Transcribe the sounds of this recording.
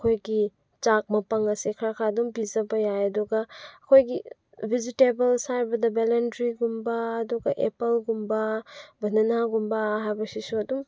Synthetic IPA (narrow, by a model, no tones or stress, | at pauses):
ɐkʰojɡi | t͡ʃak̚mɐpɐŋɐsekʰɐɾakʰadumbizɐbɐjajɐduɡɐɐkʰojɡi | bʱizitebɐlsaɾbɐdɐbelendɾiɡumbaːduɡɐʔepɐlɡumbabɐnɐnaɡumbaɦajbɐsisuɐdum